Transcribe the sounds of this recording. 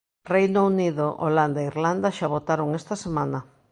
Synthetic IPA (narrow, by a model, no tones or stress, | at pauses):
rejnouniðoʔo̰land̪aiɾland̪aʃaβot̪aɾoŋest̪ɐsemanɐ